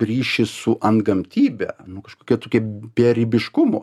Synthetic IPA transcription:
rʲiːʃʲɪsʊʔɐnt̪ɡɐmʲt̪ʲiːbʲɛ̰nʊkɐʃkoːkʲiɛt̪oːkʲiɛbʲɛːɾʲibʲɪʃkʊmʊ

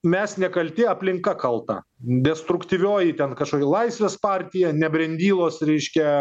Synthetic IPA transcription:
mʲɛsnʲɛkɐlʲt̪ʲɪɐpʲlʲɪŋkɐkɐlˠt̪ɐ̰ | d̪ʲɛst̪ɾʊkt̪ʲiʋʲoːjɪt̪ʲɛnkɐʃkoːkʲɛlˠɐɪsʲʋʲeːspɑːɾʲt̪ʲɪjɛnʲɛbʲɾʲɛnʲd̪ʲiːlˠoːsɾʲɛɪʃʲkʲɛ

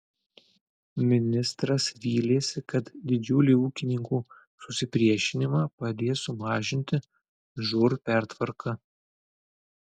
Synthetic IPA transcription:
mʲɪnʲɪst̪ɾɐsʋʲiːlʲeːsʲɪkɐt̪d̪ʲɪd͡ʒʲʊːlʲiːuːkʲɪnʲɪŋkuː | sʊsʲɪpʲɾʲiɛʃʲɪnʲɪmɑːpɐd̪ʲeːsʊmɑːʒʲɪnʲt̪ʲɪ | ʒʊɾpʲæˑɾt̪ʋɐɾkʰɐ

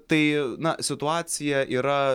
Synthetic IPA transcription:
t̪ɐɪnɐsʲɪt̪ʊɑːsʲɪjɛʔiːɾɐ

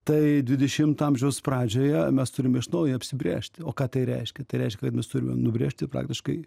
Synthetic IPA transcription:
t̪ɐɪdʲʋʲɪd̪ʲɛʃʲɪmt̪ɑmʲʒʲɛʊsprɑːd͡ʒʲoːjɛmʲɛst̪ʊɾʲɪmʲɛɪʃnɐʊjɪɐpʲsʲɪbʲɾʲḛːʃʲt̪ʲoːkɑːt̪ɐɪɾʲɛ̰ɪʃʲkʲɛt̪ɐɪɾʲɛɪʃʲkʲɛkɐt̪mʲɛst̪ʊɾʲɪmʲɛ̰mnʊbʲɾʲeːʃʲt̪ʲɪpɾɑ̰ːkt̪ʲɪʃkɐɪ

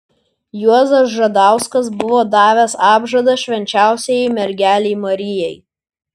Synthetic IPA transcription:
juɔzɐs̬ʒɐd̪ɑˑʊskɐs̬bʊʋoːd̪ɑːʋʲɛsɑːbʒɐd̪ɐʃʲʋʲɛnʲt͡ʃʲæˑʊsʲɛjɛɪmʲɛɾʲɡʲæːlʲeɪmɐɾʲɪjɛɪ

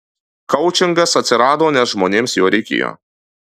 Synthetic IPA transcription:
kɐʊt͡ʃʲɪŋɡɐsɐt̪ʲsʲɪɾɑːd̪oːnʲɛsʒmoːnʲeːmsjoːɾʲɛɪkʲḛːjo̰ː

